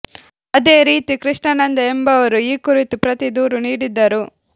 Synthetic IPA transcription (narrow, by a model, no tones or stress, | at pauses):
ɐd̪eːɾiːt̪ikɾiʂɳɐnɐnd̪ɐembɐʋɐɾuiːkuɾit̪upɾɐt̪id̪uːɾuniːɽid̪ːɐɾu